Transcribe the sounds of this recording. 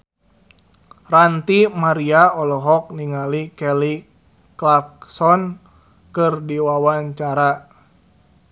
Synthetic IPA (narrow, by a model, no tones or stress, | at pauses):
rant̪imaɾiaɔlɔɦɔk̚niŋalikɛli | klark̚sɔn | kɨrdiwawaɲt͡ʃaɾa